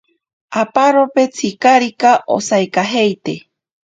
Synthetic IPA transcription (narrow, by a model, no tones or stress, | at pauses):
apaɾopet͡sʰikaɾikaʔo̰saekaɦejt̪e